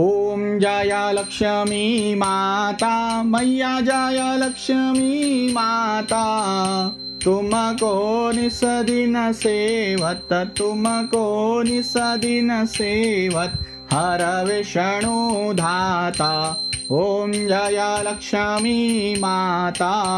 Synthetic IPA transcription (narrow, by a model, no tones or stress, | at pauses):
oːmd͡ʒaːjaːlɐkʂɐmimaːt̪amɐjːaːd͡ʒaːjalɐkʂɐmimaːt̪a | t̪umɐkoːnisɐd̪inɐseːʋɐt̪ɐt̪ːumɐkoːnisɐd̪inɐseːʋɐt̪̚ | hɐɾɐʋeʃɐɳud̪ʱaːt̪aːoːmd͡ʒaːjaːlɐkʂamimaːt̪a